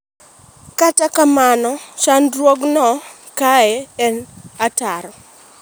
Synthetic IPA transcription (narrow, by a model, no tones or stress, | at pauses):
katakamanɔʃandrwoɡnɔ | kaɛɛnataɾɔ